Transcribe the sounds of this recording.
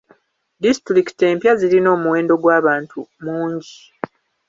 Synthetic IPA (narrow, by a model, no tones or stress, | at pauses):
distɾiki̥te̞ːmpjazilino̞ːmuwe̞ːndo̞ɡwaːβaːntʰumuːɲɟi